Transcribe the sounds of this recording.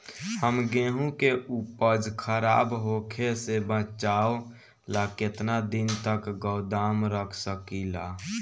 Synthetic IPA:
həmɡeɦũkeʔupəd͡ʒkʰəɾaːbɦokʰesebə̃t͡ʃao | laket̪nad̪int̪əkɡəʊd̪amɾəkʰsəkila

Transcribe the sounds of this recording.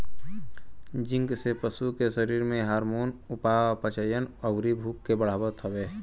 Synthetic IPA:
d͡ʒɪ̃ŋɡsepəsukesəɾiːɾmẽɦaːɾmoːnʊpapət͡ʃəjənəʋɾibʱuːkːebəɽ̤aːbət̪ʰəʋeː

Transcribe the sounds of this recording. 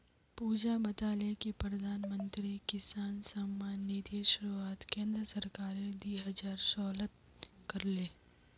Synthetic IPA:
puːd͡ʒabɐt̪aːlekipɾɐd̪ʱaːnmə̃nt̪ɾikɪsaːnsəmːaːnːid̪iʃʊɾuaːt̪kẽːnd̪ɾəsɐɾkaːɾẽd̪iːɦəd͡ʒaːɾsɔːlət̪ | kɐɾleː

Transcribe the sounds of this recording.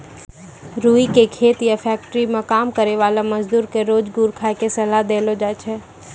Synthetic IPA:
ɾuːikekʰeːt̪jafʰɛːk̚ʈəɾimẽkaːmkəɾeʋaːlaməd͡ʒd̪uːɾkeɾoːd͡ʒɡuːɾkʰaːjkesɐlad̪eːlod͡ʒat͡ʃʰɛ

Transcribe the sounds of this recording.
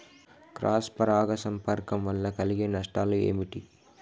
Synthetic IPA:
kɾaːspɐɾaːɣɐsɐmpɐɾkɐmʋɐlːɐkɐlɪɡɐnɐʂʈaːlɯḛːmiʈːi

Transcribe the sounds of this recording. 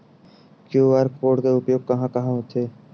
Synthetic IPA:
kjuːəɾkoːɖk̪eːʊpjoːɡ̚kəɦãːkəɦãːɦot̪ʰeː

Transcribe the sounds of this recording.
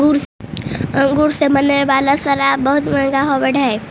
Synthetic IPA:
uɾ | ə̃ŋɡuɾseməneʋaːlasəɾabɐɦʊt̪məɽɡaɦobəɽʱae

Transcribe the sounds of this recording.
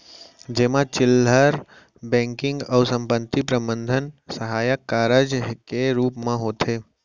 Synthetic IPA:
d͡ʒeːmãt͡ʃɪlːəɾ | bɛ̃ːŋkɪ̃ŋɡɔʊsə̃mpənt̪ipɾəmənd̪ʱənsəɦaːjəkːaːɾəd͡ʒkeɾuːpmãɦoːt̪ʰe

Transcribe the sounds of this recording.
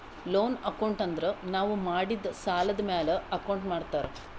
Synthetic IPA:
lo̞ːnɐkɐwɳʈɐnd̪ɐɾenaːʋumaːɽid̪ɐsaːlɐd̪ɐmeːleɐkɐwɳʈmaːɽt̪aːɾe

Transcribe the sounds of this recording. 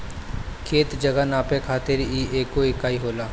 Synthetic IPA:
kʰeːt̪d͡ʒəɡanaːpẽkʰaːt̪ɪɾiːʔeːkːoeːkaːiɦoːlaː

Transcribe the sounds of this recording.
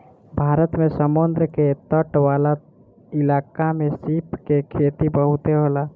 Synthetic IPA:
bʱaːɾət̪mẽsəmʊnd̪ɾəket̪əʈwaːla | ɪlaːkamẽsipkekʰeːt̪ibəɦut̪eɦola

